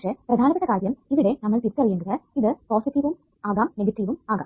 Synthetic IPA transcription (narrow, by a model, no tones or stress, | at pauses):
ʂeprɐd̪ʱaːnɐpːeʈːɐkaːɾjɐmiʋiɽe̞nɐmːɐɭt̪it̪ːɐrijeŋɡɐðɐiðɨpoːsiʈːiʋum | aːɣaːmneɡɐʈːiːʋumaːɣa̰ːm